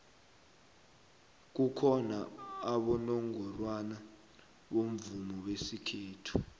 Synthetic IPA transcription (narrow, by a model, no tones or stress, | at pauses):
k̬ukʰɔnaːɓɔnɔŋɔrwana | ɓom̩vumɔɓesikʰeːtʰu̥